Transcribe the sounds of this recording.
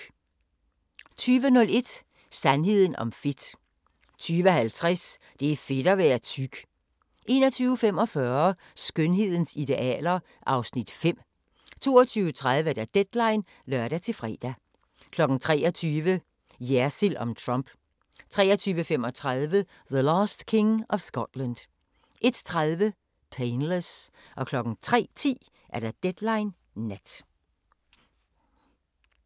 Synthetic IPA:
t͡sʰyːʋənɔ̽le̝d̥ | sænɦe̝ð̰ˠn̩ʔɒ̽mfe̝d̥ | t͡sʰyːʋəhælt͡sʰʁas | d̥e̝æfe̝d̥ɒʋæːɐt͡sʰyɡ̥ | ʔe̝̰ːnɒt͡sʰyːʊfem̰ɒ̽fɶɐ | sɡ̥ønɦe̝ð̞̰ˠn̩sid̥e̝ʔɛ̰ːlɐ | ʔɑ̈ʊsnid̥fem̰ | t͡sʰo̝ːɒt͡sʰyːʊət͡sʰʁað̞ˠʋəd̥æd̥ed̥lɑ̈ɪn | lɶɐɾ̥æt͡sʰe̝lfʁɛ̰ːd̥æ | kʰlɒ̽ɡ̥n̩t͡sʰʁɛ̰ːɒt͡sʰyːʋə | jæɐsilʔɒ̽mt͡sʰʁɑmb̥ | t͡sʰʁɛ̰ːɐt͡sʰyːʋəfemɒ̽t͡sʰʁaðˠʋə | ðəlɑːsd̥kʰe̝ŋɒ̽ʋsɡ̥ɒd̥lænd̥ | ʔe̝d̥t͡sʰʁaðˠʋə | pʰeɪnləs | ʔɒ̽kʰlɒ̽ɡ̥n̩t͡sʰʁɛ̰ːt͡sʰḭː | ʔæɐd̥æd̥ed̥lɑ̈ɪnː | æd̥

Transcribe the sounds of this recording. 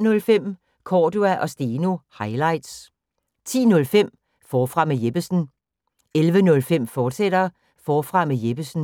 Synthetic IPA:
nɔ̽lfem̰ | kʰɒːd̥uæʔɒ̽sd̥eːnuhɑ̈ɪlɑ̈ɪ̰d̥s | t͡sʰḭːnɔ̽lfem̰ | fɒːfʁɑ̈mejeb̥əsn̩ | elʋənɔ̽lfem̰fɒːd̥sed̥ɐ | fɒːfʁɑ̈mejeb̥əsn̩

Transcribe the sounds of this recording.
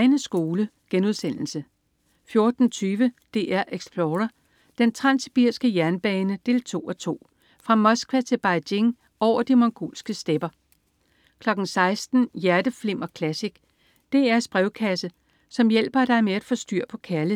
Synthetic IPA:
ɪnəsɡ̥o̝ːlə | ɡ̥enuð̞ˠsen̰l̩sə | fjo̝ɐd̥n̩t͡sʰyːʋəd̥e̝ːʔæɐ̰ʔeɡ̥sb̥loːʁɐ | d̥ent͡sʰʁɑ̈nsib̥iɐ̰sɡ̥əjæɐnb̥ɛːnəd̥e̝̰ːlt͡sʰo̝̰ːɒt͡sʰo̝̰ː | fʁɑ̈mɒ̽sɡ̥ʋæt͡sʰe̝lb̥ɑ̈ɪd̥e̝ŋ | ɒʊ̰ɐd̥imɒŋɡ̥o̝̰ːlsɡ̥əsd̥eb̥ɐ | kʰlɒ̽ɡ̥n̩sɑ̈ɪsd̥n̩jæɐd̥əfle̝m̰ʔɒ̽kʰlæsiɡ̥ | d̥e̝æɐsb̥ʁɛʊkʰæsə | sɒ̽mjel̰b̥ɐd̥ɑ̈ɪmeæd̥fɒ̽sd̥yɐ̰pʰɒ̽kʰæɐlə

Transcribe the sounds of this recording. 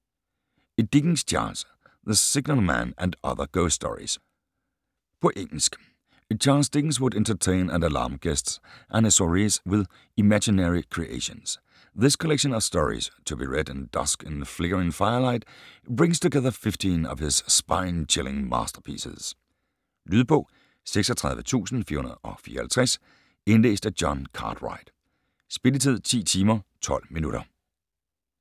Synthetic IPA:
ɨt̚d̥ɪɡŋ̩z̥t͡ʃʰɑ̰ɹnz̥ | ðɨsɪɡ̚nəl̩ˠmæ̰̃nɨ̃nʌ̰ðə̰˞ɡ̥oʊstɔ̰ɹḭz̥ | pʰəʔɪ̃n̩sk | ɨt͡ʃʰɑɹnzdɪɡŋ̩zwəɾɛ̃ntə˞tʰẽɪ̃nə̰̃nəlɑ̰ɹmɡ̥ɛstsʔænɨsɔɹizwɪð | ɨmæd͡ʒɨnɛɹikʰɹ̥iʔḛɪʃɨ̰̃nz̥ | ðɪskʰəlɛkʃɨ̃nʌv̥stɔɹḭz̥t͡sʰob̥ḭɹedɪ̃nd̥ʌ̰skə̃nfleɡ̥əɹẽŋfaɪɐlaɪd̥b̥ɹẽŋst͡sʰoɡɛðˠɐfɪfd̥inɒ̰ʋ̥hɪssba̰ɪnt͡ʃʰɪlˠɪ̰̃ŋmɑ̰ːsd̥ɐpʰḭːsəs | lyðˠpʰɔ̽ | seɡ̥sɒt͡sʰʁɑ̈ð̞ˠʋət͡sʰṵːsn̩fḭɐhunɐðˠɒfḭːɐhælt͡sʰʁɛs | enlḛːsd̥æ̥jɒnkʰɑ̰ːd̥ʁɑ̰ɪd̥ | sb̥e̝lət͡sʰið̰ˠt͡sʰḭːt͡sʰiːmɐt͡sʰɒ̽l̰minuɾɐ̰

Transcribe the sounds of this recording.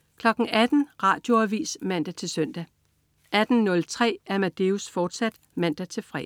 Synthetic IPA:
kʰlɒ̽ɡ̥ŋ̩ʔæd̥n̩ʁɑ̈ːd̥jo̝æʋḭːsmæn̰d̥æt͡sʰe̝lsœn̰d̥æ | ʔæd̥n̩nɔ̽lt͡sʰʁɛ̰ːæɐmæd̥e̝usfɒːd̥sæd̥ | mæn̰d̥æt͡sʰe̝lfʁɛ̰ː

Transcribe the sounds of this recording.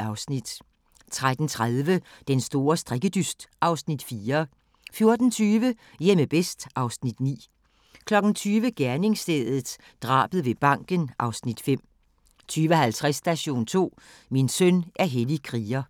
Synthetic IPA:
ɑ̈ʊsnid̥ | t͡sʰʁad̥n̩t͡sʰʁaðˠʋəd̥ensd̥o̝ːɐsd̥ʁɛɡ̥əd̥ysd̥ʔɑ̈ʊsnid̥fiːɐ | fjo̝ɐd̥n̩t͡sʰyːʋəjeməb̥esd̥ʔɑ̈ʊsnid̥nḭː | kʰlɒ̽ɡ̥n̩t͡sʰyːʋəɡ̥æɐne̝ŋsd̥eðˠð̩ˠ | d̥ʁɑ̰̈ːb̥əð̩ˠʋe̝b̥ɑ̈ŋ̰ɡ̥ənʔɑ̈ʊsnid̥fem̰ | t͡sʰyːʋəɦælt͡sʰʁasːd̥æɕo̝̰ːnt͡sʰo̝̰ː | minsœnʔæɐɦelikʰʁiːɐ

